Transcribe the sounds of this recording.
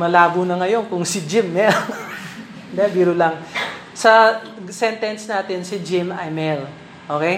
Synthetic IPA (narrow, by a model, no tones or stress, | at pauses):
mɐlaːbunɐŋɐjo̞nkʊŋsɪd͡ʒɪmːɛl | d̪ɛbiːɾʊlɐŋ | sɐ | sɛnt̪ɛnsnaːt̪ɪnsɪd͡ʒɪmɐjmɛl | ʔoːkɛj